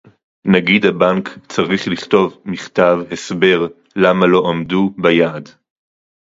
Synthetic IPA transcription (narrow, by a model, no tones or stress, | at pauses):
naɡidabaŋkt͡saʁiχliχt̪o̞vmiχtavhesbe̞ʁ | lamalo̞ʔamdubajaːd